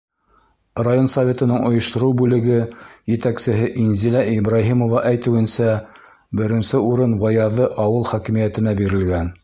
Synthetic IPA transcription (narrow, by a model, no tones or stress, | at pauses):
rajo̞nsɐvʲe̞t̪ɤ̆nɤŋŏjŏʃt̪ŏɾɤwbʉlɘ̆ɡɘjɘ̆t̪æksɘ̆ɦɘʔinzilæʔibraɦimŏvɑʔæjt̪ɘ̆wɘ̆nsæ | bɘ̆ɾɘ̆nsɘuɾɤnbɑjɑðɤʔɑwɤlˠχækɘ̆mijæt̪ɘ̆næbiɾɘ̆lɡæn